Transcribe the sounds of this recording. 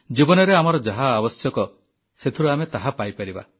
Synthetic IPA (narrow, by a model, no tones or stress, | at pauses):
d͡ʒibɔnɔɾeamɔɾɔd͡ʒaɦaːbɔsjɔkɔ | set̪ʰiɾuamet̪aɦapajpaɾiba̰